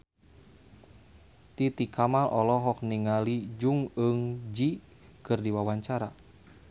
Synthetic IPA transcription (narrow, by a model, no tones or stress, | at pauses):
t̪it̪ikamalʔɔlɔɦɔk̚niŋalid͡ʒuŋəŋd͡ʒi | kɨrdiwawaɲt͡ʃaɾa